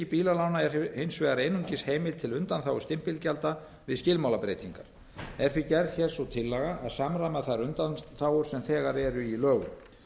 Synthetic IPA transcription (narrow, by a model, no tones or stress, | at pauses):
ipiːlalaːwnaɛɾhejnsvɛːɣaɾejnuɲcɪsheːjmɪlt̪ʰɪlʏnt̪anθawʏ̥st̪ɪm̥pɪlcalt̪a | vɪðscɪlmawlapɾeːjt̪iŋkaɾ̥ | ɛɾ̥θicɛɾð̥çɛɾ̥sɔwt̪ʰɪlːɛɣaʔaðsamɾamɛðθaɾʏnt̪anθawʏɾ̥sɛmθɛːɣaɾɛɾʏilœːɣʏ̰m